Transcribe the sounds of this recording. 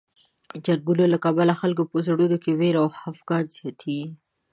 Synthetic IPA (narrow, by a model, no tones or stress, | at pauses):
d͡ʒaɾɡulolakabalaxalkopozaɽud̪okeweɾawhafɡɑz̥jɑt̪ʰi